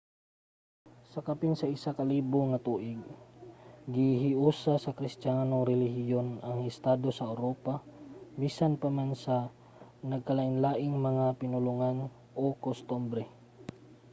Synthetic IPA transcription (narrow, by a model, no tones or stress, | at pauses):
sɐkapinsɐʔɪsakɐliːbʊŋɐt̪uːʔɪɡ̚ː | ɪɦɪʔuːsasɐkɾɪst̪janoŋɾɛlɪhɪjonɐŋɛst̪ad̪o̞sɐʔɐwɾopamisanpɐmansɐ | nɐɡ̚kɐlaʔɪnlaːʔɪŋmɐŋapɪnʊlʊŋan | ʔokost̪umbɾɛ